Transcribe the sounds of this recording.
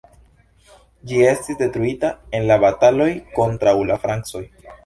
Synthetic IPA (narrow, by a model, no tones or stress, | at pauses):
d͡ʒie̞stisde̞tɾuitae̞nlabatalo̞jko̞ntɾawlafɾaŋkso̞j